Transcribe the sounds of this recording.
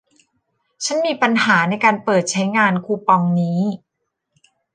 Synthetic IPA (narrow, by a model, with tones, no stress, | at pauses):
t͡ɕʰa˦˥nmiː˧pa˧nhaː˩˦na˧jkaː˧npɤː˨˩t̪̚t͡ɕʰa˦˥jŋaː˧nkʰuː˧pɔ˧ŋniː˦˥